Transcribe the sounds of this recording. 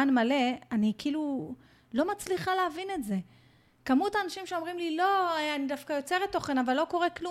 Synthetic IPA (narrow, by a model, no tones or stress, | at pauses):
anmale̞anikiilu | lo̞mat͡sliχaleavine̞tze̞ | kamutaːnaʃimʃeo̞mʁimlilo̞eanidafkajo̞t͡se̞ʁetːoχenavalːo̞ko̞ʁeklu